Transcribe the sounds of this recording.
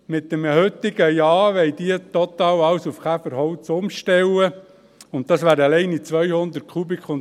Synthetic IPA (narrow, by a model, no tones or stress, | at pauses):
mɪtːəməhʏt̪ːɪɡ̥əjɑːʋɛɪd̪iət̪ɔt̪ɑːwɑwsufkʰæfəɾhɔwt͡sʊmʃtɛwə | ʊntt̪ːɑsʋæːɾəlɛɪnit͡sʋœjhʊnd̪ət̚kʰχubɪkʰχʊm